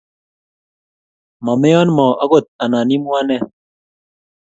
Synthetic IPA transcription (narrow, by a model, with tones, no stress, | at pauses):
mɔ˨me˦jɔ˦nmɔ˨ʔa˦ɡo˨t̪̚a˨na˨ni˦mu˦a˦nɛ˦